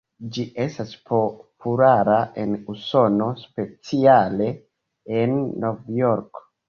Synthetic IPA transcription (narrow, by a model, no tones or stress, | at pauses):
d͡ʒiʔe̞staspopulaɾae̞nuso̞no̞spe̞t͡siale̞ | enːo̞vjo̞ɾk